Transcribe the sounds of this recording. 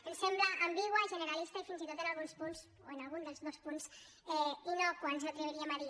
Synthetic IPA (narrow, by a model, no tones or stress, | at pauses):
ənsɛmbləʔːmbiɣwəʒənəɾalist̪aifinzit̪ot̪ənalˠɣunspunz | o̰ənalɣund̪əlˠzðospuns | ɛinokwanzət̪ɾeβeɾiamaɾi